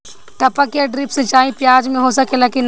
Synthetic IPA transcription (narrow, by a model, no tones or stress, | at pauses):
t̪ɐpɐkjaɖɾipsẽt͡ʃaːĩpjaːd͡ʒmẽɦoːsɐkelɐkin